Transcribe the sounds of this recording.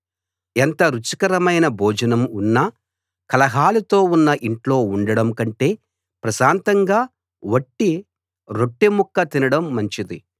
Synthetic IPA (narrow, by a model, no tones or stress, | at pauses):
ent̪ɐɾut͡ʃi̥kɐɾɐmɐjnɐbʱoːd͡ʒɐnɐmunːɐ | kɐlɐɦaːlut̪o̞ːunːɐʔiɳʈlo̞ːuɳɖɐɽɐmkɐɳʈe̞ː | pɾɐʃaːnt̪ɐŋɡaː | ʋɐʈːi | ɾo̞ʈːimukːɐt̪inɐɽɐmːɐɲt͡ʃid̪i